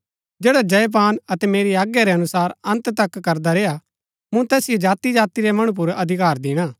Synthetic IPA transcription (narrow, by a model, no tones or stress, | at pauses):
d͡ʒeːɽad͡ʒɐp̬aːnɐt̪ɛmeːɾiaːɡjaɾɛɐnʊsaːɾɐ̃nt̪t̪ɐkːɐɾd̪aɾeːa | mũt̪ɛːsɪjod͡ʒaːt̪id͡ʒaːt̪iɾemɐɽ̃ũp̬ʊɾɐd̪ʱɪkaːɾd̪ɪːɽ̃aː